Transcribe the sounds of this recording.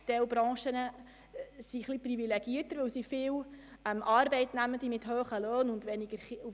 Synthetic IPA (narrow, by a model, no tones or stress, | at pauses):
tɛwbɾɑ̃ːʃənə | siχlipɾivilɛɡ̥iətəɾʋɵwsifɪːwɛmʔɑːɾbɛɪtnæmənd̥̪imɪthøːχəløːnʊndʋɛniɡ̥əɾu